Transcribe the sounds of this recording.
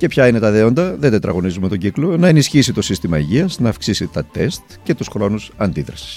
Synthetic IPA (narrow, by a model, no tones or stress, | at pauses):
ce̞pçɐine̞t̪ɐðeo̞nd̪ɐðe̞nd̪et̪ɾɐɣo̞nizume̞t̪o̞ɟiklo̞nɐenisçisit̪o̞sist̪imɐiʝiɐznɐːfksisit̪ɐt̪est̪ce̞t̪usxɾo̞nusɐnd̪iðɾɐsi̥s